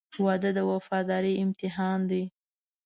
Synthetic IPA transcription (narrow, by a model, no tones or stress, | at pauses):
wɑd̪əd̪əwafɑd̪ɑɾiɪmt̪ɪɦɑnd̪i